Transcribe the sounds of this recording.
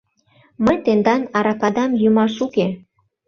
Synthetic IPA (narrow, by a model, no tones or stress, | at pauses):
məjt̪end̪ɑnɑɾɑkɑd̪ɑmjumɑʃuke